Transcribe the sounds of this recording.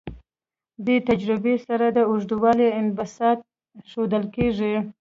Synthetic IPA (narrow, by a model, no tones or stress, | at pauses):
d̪et̪ad͡ʒɾɪbesaɾad̪əʊʐd̪uwɑleɪnbasɑt̪̚ | ʃod̪əlkeʐi